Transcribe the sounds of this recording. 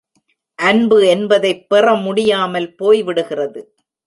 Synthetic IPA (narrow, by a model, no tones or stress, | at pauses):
ʔɐnbɯɛnbɐðɐɪpːɪrɐmʊɽɪjaːmɐlpoːjʋɪɽɯɣɪrɐðɯ